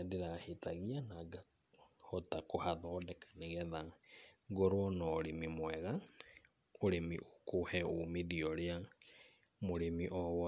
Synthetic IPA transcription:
deɾahetaɣianaɡa | hɔtakohaðɔːdɛkḁneɣɛðaɡoɾwɔnɔɾemimwɛɣa | oɾemḭʔokohɛomiðiɔɾea | moɾemiʔɔwɔ

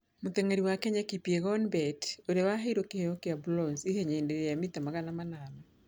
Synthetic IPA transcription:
mʊt̪eŋeɾiwakeɲɛkipjeɡɔnbɛtodewaɦeɾokehejokeablɔnsiheɲeindeɾejamit̪amaɡanamananɔ

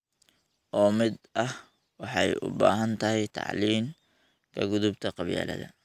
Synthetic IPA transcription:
ʔɔːmɪd̪ɐh | wɑħɑjʔʊ̰baːɦɐnt̪ʰɐɦɛjt̪ʰɑ̰ʕliːm | kʰɐɡʊðʊbt̪ʰɐqɑβja̰ːlɐ̰ðɐ̰

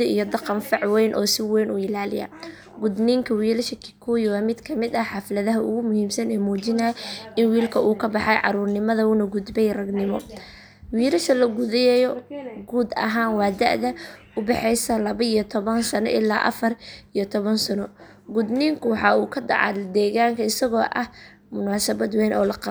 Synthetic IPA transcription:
ḭjɔd̪ɑqɑnfɑʕwɛjnʔɔ̰ːsɪwɛjnuːɪlaːlɪ̰ja̰ː | ɡʊd̪niːŋkʰɐwiːlɐʃɐkʰɪ̥kʰujwaːmɪd̪kʰɐmɪd̪ɐħɑflɐðɐɦɐʊɣʊmʊhiːmsɐnɛːmuːt͡ʃɪnɐʔɪnwiːlkʰɐʔuːkʰɐbɑħɑjʕɑ̰ɾuːrnɪmɐðɐʊnɐɡʊd̪bɛjrɐɡnɪmɔ | wiːɾɐʃɐlɐɡʊðɛjɛjɔɡuːd̪ɐ̰ɦaːnwɑːd̪ɐ̰ʔðɐ | ʊbɛħɛjsɐlɐβɐijɔt̪ʰɔβɐnsɐnɔ̰ʔɪlːaːʔɐ̰fɐrijɔt̪ʰɔβɐnsɐnɔ | ɡʊd̪niːŋkʰʊwɑħɑːuːkʰɐdɑ̰ʕɑ̰d̪ɛːɣaːŋkʰɐɪsɐɣɔːʔɐh | mʊnaːsɐβɐd̪wɛːnʔɔ̰ːlɐqɑ

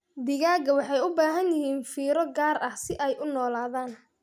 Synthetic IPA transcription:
d̪ɪɣaːɡɐwɑħɑjʊbaːɦɐnjɪɦiːnfiːɾɔɡaːɾɐhsɪʔɛjʔʊnɔːlaːðaːn

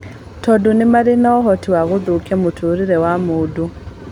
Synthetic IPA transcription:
tʰɔdonemaɾenaɔɦɔtiwaɣoðokiɛmotʰoɾiɾɛwamodu

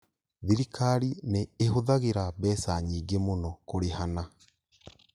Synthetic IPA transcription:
ðiɾikaɾineːɦoðaɣeɾabɛsaɲiːɡemonɔkoɾehana

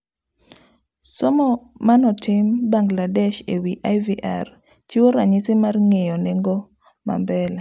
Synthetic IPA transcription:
sɔmɔmanɔtʰɪmbaŋɡladɛʃewiʔajviʔa̰r | t͡ʃiwoɾaɲɪsɪmarŋejɔneŋɡo | ma̰mbɛla

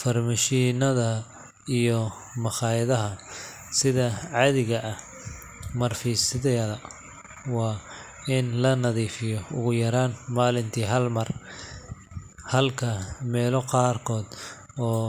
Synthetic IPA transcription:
fɐrmɐʃiːnɐðɐ | ijɔ | mɑχɑːɪðɐɦɐ | sɪðɐʕɑðɪɣɐʔɐ | mɐrfiːsɪðɛɐðɐ | wɑː | ɪnlɐnɐðiːfɪjɔʊɣʊjɐɾaːnmaːlɪnt̪ʰiːɦɐlmɐr | hɐlkʰɐmɛːlɔqɑːrkʰɔːd̪ | ɔː

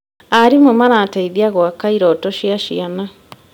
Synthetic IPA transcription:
aɾimomanataiðiaɣwakaiɾɔtɔʃiaʃiana

